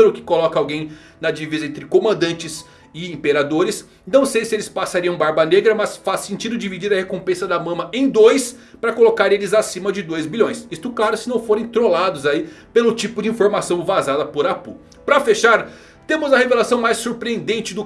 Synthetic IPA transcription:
ɾʊkɪ̥kolɔkɐawɡẽj̃ | nɐd͡ʒivizɐẽnt̪ɾɪkomɐ̃nd̪ɐ̃nt͡ʃɪs | ɪĩpeɾad̪oɾɪs | nɐ̃w̃sejsɪelɪspasaɾiɐ̃w̃baɾbɐneɡɾɐmɐsfasːẽnt͡ʃid̪ʊd͡ʒivid͡ʒiɾɐhekõpẽsɐd̪ɐmɐ̃mɐʔẽj̃d̪ojs | pɾɐkolokaɾelɪzasĩmɐd͡ʒɪd̪ojzbilʎõj̃sist̪ʊklaɾʊsɪnɐ̃w̃foɾẽt̪ɾolad̪ʊzaipelʊt͡ʃipʊd͡ʒɪĩfoɾmasɐ̃w̃vazad̪ɐpoɾapṵ | pɾɐfeʃaɾ | t̪ẽmʊzɐhevelasɐ̃w̃majsuɾpɾiẽnd̪ẽnt͡ʃɪd̪ʊ

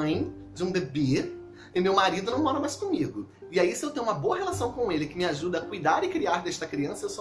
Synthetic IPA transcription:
ɐ̃j̃ | d͡ʒɪũbebe | ɪmewmaɾid̪ʊnɐ̃w̃mɔɾɐmajskõmiɡʊ | ɪaisɪewt̪ẽj̃ɲ̃umɐboɐɦelasɐ̃w̃kõelɪkɪmɪaʒud̪ɐːkujd̪aɾɪkɾiaɾd̪ɛʃt̪ɐkɾiɐ̃sɐewso

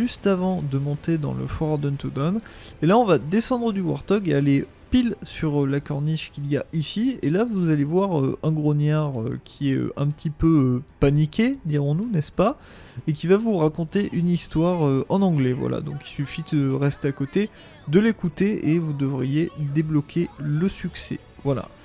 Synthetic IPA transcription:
ʒyst̪avɑ̃d̪əmɔ̃t̪ed̪ɑ̰̃lə̰fɔʁd̪ɛnt̪od̪ɔnelaɔ̃vad̪esɑ̃d̪ʁəd̪ywa̰ʁt̪ɔɡeale | pilsyʁlakɔʁniʃkʲilijaʔisielavuzalevwaʁø̰ɛ̃ɡʁɔnjaʁø̰kʲʰiɛø̰ɛ̃pət̪ʰipøøpanikʲed̪iʁɔ̃nunɛspa | ek̬ʲivavuʁakɔ̃t̪eʔynist̪waʁøɑ̃nɑ̃ɡlɛvwa̰la̰d̪ɔ̃ki̥lsyfid̪əʁɛst̪eakɔt̪e | d̪əlekut̪eʔevud̪əvʁijed̪eblɔkʲʰeləsyksɛ̰ | vwala̰

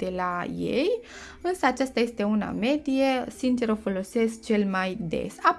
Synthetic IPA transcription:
d̪̥elajḛj | ɨnsəat͡ʃast̪aje̞st̪e̞una̰me̞d̪ije̞sint͡ʃe̞ɾofo̞lo̞se̞sk̚t͡ʃe̞lmajd̪e̞̰sa

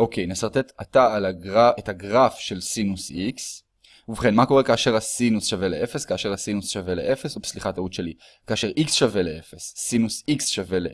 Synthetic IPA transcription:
ʔo̞kʰejnesaʁt̪e̞tataalaɡaethaɡʁafʃe̞lsinusiks | uvχe̞nmako̞ʁe̞kaːʃe̞ʁasinusʃave̞leʔefeskaːʃe̞ʁasinusʃavelḛʔefe̞subsliχat̪autʃeli | kaːʃe̞ʁʔiksʃave̞leefesːinusiksʃave̞le

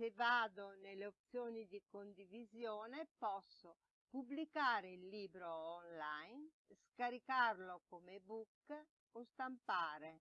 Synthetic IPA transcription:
sevaːd̪oneleop̚t̪sjɔːnid̪ikond̪ivizjɔːnepɔsːo | publikaːɾeilːiːbɾoːnlajn | skaɾikarlokomebukː | ost̪ampaːɾe

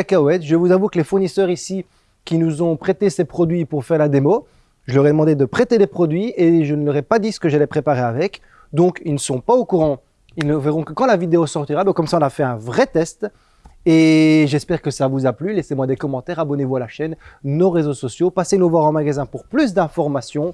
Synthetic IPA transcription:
akawɛt̪ʒəvuzavukəlefuʁnisœʁisi | kʲinuzɔ̃pχet̪esɛpχɔd̪ɥipuʁfɛʁlad̪emo | ʒəlɔʁɛd̪əmɑ̃d̪ed̪əpχet̪ed̪epχɔd̪ɥieʒənlɔʁɛpad̪isə̥kəʒalɛpχepaʁeavɛk | d̪ɔ̃kilnəsəɔ̃paokuʁɑ̃ | ilnəvɛʁɔ̃kəkɑ̃lavid̪eosɔʁt̪iʁabɛ̃kɔmsaɔ̃nafɛɛ̃vʁɛt̪ɛst̪ | eʒɛspɛʁkəsavuzaplylesemwad̪ekɔmɑ̃t̪ɛʁabɔnevualaʃɛnnoʁezosɔsjopasenovwaʁɑ̃maɡazɛ̃puʁplys̬d̪ɛ̃fɔʁmasjɔ̃

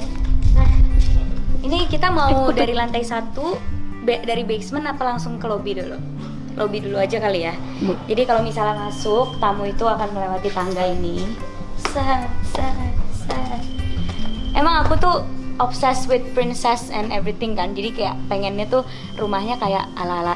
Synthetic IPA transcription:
səh | inikit̪amaudaɾilant̪ajsat̪ubedaɾibejsmənapalaŋsʊŋkəlobidulṵ | kəlʔobiduluad͡ʒakalija | d͡ʒadikalomisalamasʊk̚t̪amuit̪uakanməlewat̪it̪aŋɡaini | səsəsə | emaŋakut̪uʔɔpsɛswɪt̪̚pɾɪnsɛsɛ̰nɛvɾit̪ɪŋkand͡ʒadikajaʔpeŋɛnɲat̪u | rumahɲakaja̰ʔalaːla

